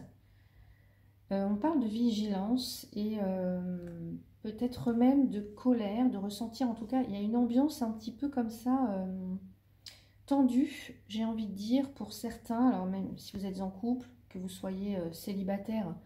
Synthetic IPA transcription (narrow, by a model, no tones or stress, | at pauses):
øɔ̃paʁld̪əviʒilɑ̃seømpøt̪ɛt̪χəmɛmd̪əkʰɔlɛʁd̪əʁəsɑ̃t̪iʁɑ̃t̪ukailjaynɑ̃bjɑ̃sɛ̃pət̪ipøkɔmsaøm | t̪ɑ̃d̪yʒeɑ̃vid̪əd̪iʁpuʁsɛʁt̪ɛ̃alɔʁmɛmsivuzɛt̪zɑ̃kʰuplkəvuswajeøselibat̪ɛːʁ